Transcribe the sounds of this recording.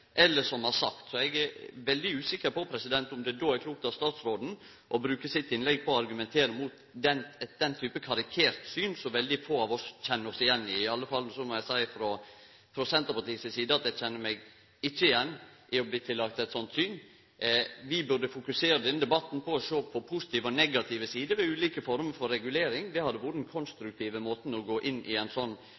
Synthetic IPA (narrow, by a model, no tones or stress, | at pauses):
ʔɛlːəʂɔmhɑɾsɑkt̪sɔɛɡæɾʋɛld̪ɪʉːsɪkːəɾpɔpʰɾɛsɪd̪ɛnt̪ʊmd̪ɛd̪oːæɾkʰluːkt̪ɑst̪ɑːt̪sɾoːd̪n̩ | ʔɔbɾʉːkəsɪt̪ːɪnlɛɡ̚pʰɔːɑɾɡʉmɛnt̪ʰeːɾəmuːt̪ | d̪ɛnɛt̪̚d̪ɛnt̪ʰyːpəkʰɑɾɪkʰeːɾt̪syːnsɔʋɛld̪ɪfoːɑʋɔsc͡çɛnːəɾɔsɪjɛnːɪɪɑlːəfɑlːnɔsɔmɔjæɪsæɪfɾɔ | fɾɔsɛnt̪əpɑʈ̪iːsəsiːd̪əɑt̪d̪ɛt͡ʃɛnːəmɛɡ | ɪçːəɪjɛnːʔɪɔbliːt̪ʰɪlːɑk̚t̪ɛt̪sɔnt̪syːn | ʋɪbʉɾd̪əfʊkʉseːɾəd̪ɛnːəd̪ɛbɑt̪ːnpɔɔʃoːpʰɔpʰʊsɪ̥t̪iːʋəɔnɛɡɑt̪ʰɪʋəsiːd̪əʋɛʉːliːkəfɔɾməɾfɔɾːɛɡʉleːɾɪŋd̪ɛhɑd̪ːəʋuːɾənkʰɔnst̪ɾʉk̚t̪ʰiːʋəmoːt̪n̩ɔɡoːʔɪnːɪ̰ænsɔnː